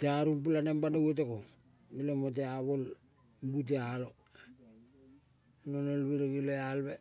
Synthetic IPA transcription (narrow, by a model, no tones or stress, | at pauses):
teaɾumpulanembanoɡet̬eko | ilomot̬eaβol | mbut̬ealo | nonolβiɾoɡilealbe